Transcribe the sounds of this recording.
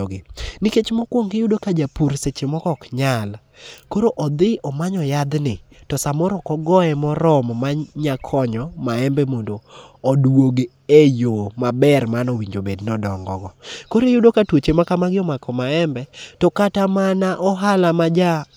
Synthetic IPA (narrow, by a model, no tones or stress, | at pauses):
ɡɪniket͡ʃmɔkwoŋɡɪjʊdokad͡ʒapuɾset͡ʃemɔkɔkɲal | koɾoʔɔd̪ɪʔɔmaɲɔjad̪nɪtɔsamɔɾɔkɔɡɔɛmɔɾɔmmaɲakʰɔɲɔmaɛmbɛmondoːdwoɡ | ejomabɛrmanɔwiɲd͡ʒobednɔdɔŋɡɔ̰ɡɔkoɾejʊdokatwot͡ʃemakamaɡɪɔmakɔmaɛmbɛtɔkatamanaʔɔɦalamad͡ʒa